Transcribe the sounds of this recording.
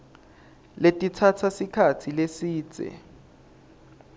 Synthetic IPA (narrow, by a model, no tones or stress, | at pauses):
letʼitʰatʰasikʰatʰilesiːt͡sʼɛ̰